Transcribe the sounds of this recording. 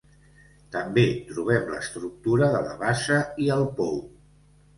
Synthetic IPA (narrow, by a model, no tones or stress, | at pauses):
t̪əmbet̪ɾuβ̞ɛmlə̰st̪ɾuk̚t̪uɾəðələβaʃəiəlˠpɔw